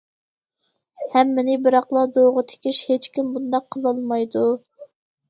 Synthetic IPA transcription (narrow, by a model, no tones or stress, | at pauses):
hɛmːɪnɪbɪɾɑqlˠɑd̪oʁət̪ʰe̥kʲiʃhet͡ʃkʲimbund̪ɑqʰːəlˠɑlˠmɑjd̪u